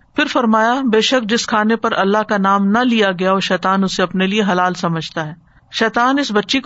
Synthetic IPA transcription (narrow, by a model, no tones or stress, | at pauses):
fɪɾfɐɾmaːjabeːʃək̚d͡ʒɪskʰaːnepɐɾɐlːaɦkanaːmnɐlijaɡɐjaɔʃɛːt̪aːnʊseɐpnelieɦɐlaːlsɐməd͡ʒʱt̪aɦɛː | ʃɛːt̪aːnɪsbɐtːʃek